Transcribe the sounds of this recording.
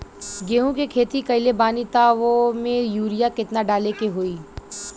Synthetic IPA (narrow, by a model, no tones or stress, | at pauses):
ɡeːɦũkekʰeːt̪ikɐɪlebaːnit̪aʋomẽjuːɾijakɪt̪naɖaːlekeɦoːiː